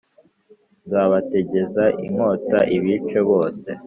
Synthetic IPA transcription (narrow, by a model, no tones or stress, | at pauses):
zaβate̞ɟe̞zaʔḭmo̞ːtaʔiβit͡ʃe̞βo̞ːse̞